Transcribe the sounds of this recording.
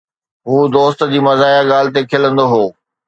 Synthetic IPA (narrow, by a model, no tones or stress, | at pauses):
ɦuːd̪oːst̪̆d͡ʑiːmɐzaːjaɠaːl̤ɪt̪̬ekʰɪlə̃nd̪oɦoː